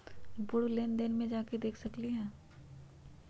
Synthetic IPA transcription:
bʊɽleːnd̪ɪnmẽd͡ʒaːked̪eːkʰsɐkliɦɛ̃ː

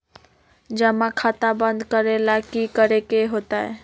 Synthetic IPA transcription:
d͡ʒəmakʰat̪abə̃nd̪kəɾelakikəɾekeɦot̪aɛ

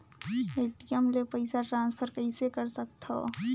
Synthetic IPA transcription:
eːʈijəmlepəɪsaʈɾãːnspʰəɾkɐɪsekɐɾsɐk̚t̪ʰa̰ː

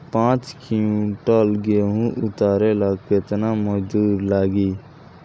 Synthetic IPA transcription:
pãːt͡ʃkʰijũʈaːlɡeːɦũːʔʊt̪aːɾeːlaːket̪naːməd͡ʒuːɾlaːɡiː

